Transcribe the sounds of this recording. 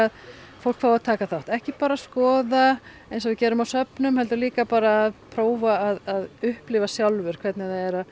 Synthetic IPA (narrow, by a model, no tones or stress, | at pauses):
að | fowl̥kfaːwaðt̪ʰaːkaθawht̪ɛhcɪpaːɾaskɔːða | ejnsɔvɪcɛːɾʏmawsœpnʏmhɛlt̪ʏɾliːkapaːɾaːðpʰɾoːwvaːðaðʏhplɪvasjawlvʏɾ̥kʰvɛt̪nɪθaðɛɾa